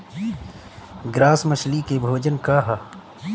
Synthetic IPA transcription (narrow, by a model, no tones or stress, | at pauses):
ɡɾaːsməʃlikebʱoːd͡ʒənkaɦa